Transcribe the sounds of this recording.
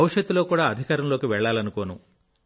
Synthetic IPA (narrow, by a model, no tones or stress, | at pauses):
ɐʋuʂjɐd̪ːulo̞ːkuːɽaːɐd̪ʱikaːɾɐmlo̞ːkiʋɛɭːaːlɐnuko̞ːnu